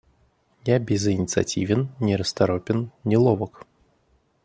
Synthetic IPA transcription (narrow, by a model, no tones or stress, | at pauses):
jabʲɪzinʲit̪sɨa̰t͡sʲivʲɪnnʲɛɾɐst̪aɾɔpʲɪnnʲilˠɔvɐk